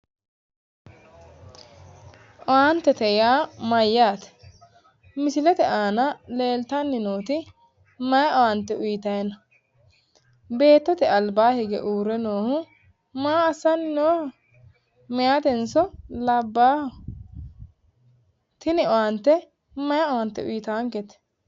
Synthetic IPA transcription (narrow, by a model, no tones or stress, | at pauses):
ʔɔwant̪ːɛt̪ɛjaːmɐjːaːt̪ɛ̥ | mɪsɪlɛt̪ɛʔaːnɐle̞ːlt̪ɐnːɪnoːt̪ɪ | mɐjɐʔɔwant̪ːɛʊjɪt̪ɐjɐnɐ | be̞ːt̪ːɔt̪ɛɐlbaːhɛɡɛ̰ʔuːɾɛnoːhʊ | maːɐsːɐnːɪnoːhɔ | mɪjaːt̪ɛnsɔlɐbːaːhɔ | t̪ɪnɪɔwant̪ːɛ | mɐjɐɔwɐnt̪ːɛʊ̰jɪt̪aːŋkɛt̪